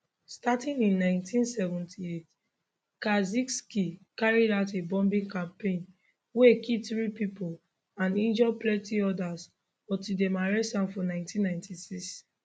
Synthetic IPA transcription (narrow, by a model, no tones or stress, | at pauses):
statĩnĩnːãɪ̃ntʰĩnsɛvɛ̃ntʰiet | kazikskikaɹidaʊtebɔ̃mbĩŋkãmpẽn | wekʰiθɹipipol | ãnĩnd͡ʒɔplɛtʰiɔdas | bɔtidemaɹɛsãnfɔnãɪ̃ntʰĩnːãɪ̃ntʰisiks